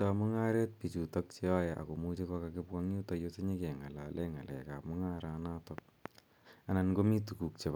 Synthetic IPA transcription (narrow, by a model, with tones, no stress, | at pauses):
ta˨mʊ˦ŋa˦ɾe˦t̚pi˨t͡ʃu˨tɔk̚t͡ʃe˦a˦jaʔa̰˨ko˨mu˦t͡ʃe˦kɔ˧ka˨kɪ˦pa˦ŋɲu˦tɔ˨jose˦ɲe˦ke˨ŋa˨la˨lʔɛ˦ŋa˨lɛ̰˨kamʊ˦ŋa˦ɾa˨na˦tɔk̚ | a˨na˨nɡo˦mi˦tu˨ku˨k̚t͡ʃe˨p